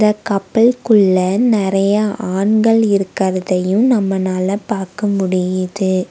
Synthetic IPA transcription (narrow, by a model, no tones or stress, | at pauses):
ɪd̪ɐkɐpːɐɭkɯɭːɐnɪɾɐjɐʔaːɳɡɐɭɪɾɯkːɐɾɐðɐjɯmnɐmːɐnaːlɐpaːɾkɐmʊɽɪjɐðɯ